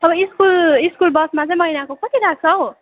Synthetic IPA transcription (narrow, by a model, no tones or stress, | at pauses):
ʌbʌiskuliskulbʌsmat͡sʌĩmʌɦinakokʌt̪iɾak̚t͡sʰʌo